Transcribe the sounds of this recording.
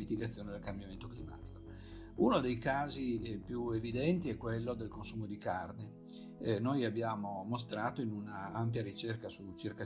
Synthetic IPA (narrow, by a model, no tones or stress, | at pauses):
mit̪iɡat̪sːjoːned̪elkambjament̪oklima̰ːt̪i̥ko̥ | unod̪ejkaːzipjuevid̪ɛnt̪iɛkːwelːod̪elkonsuːmod̪ikarne | nojabːjaːmomos̬t̪ɾaːt̪oinunaampjaɾit͡ʃerkasut͡ʃirka